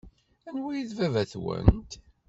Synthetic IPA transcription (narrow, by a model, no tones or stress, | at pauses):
ænwæjiðvævæθwə̰nt̪